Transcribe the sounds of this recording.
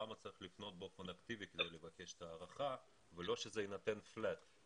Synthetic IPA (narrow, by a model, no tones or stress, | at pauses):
amat͡saʁiχlifno̞t̪̚bofonakt̪iviked̪ejlevakeʃe̥t̪aːʁaχa | velo̞ʃezeinat̪enflat̪